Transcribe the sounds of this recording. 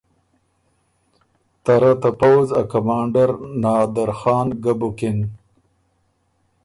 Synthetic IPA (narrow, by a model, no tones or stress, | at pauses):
t̪aɾat̪apawzakamɑːɳɖaɾnɑːd̪aɾxɑːnɡabukɪn